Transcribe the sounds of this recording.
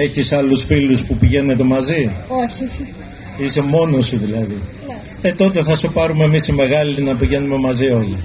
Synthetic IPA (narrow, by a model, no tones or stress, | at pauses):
eçisɐlusfiluspupiʝe̞ne̞t̪e̞mɐzioçi | ise̞mo̞no̞siðilɐðin | et̪o̞t̪e̞θɐsepɐɾume̞misime̞ɣɐlinɐpiʝe̞nume̞mɐzio̞li